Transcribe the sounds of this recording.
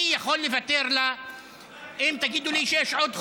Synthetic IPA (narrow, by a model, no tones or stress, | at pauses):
jaxolːɪvat̪ːeɾla | ʔɪmt̪aɡiːd̪uliʃeaʃʕod̪x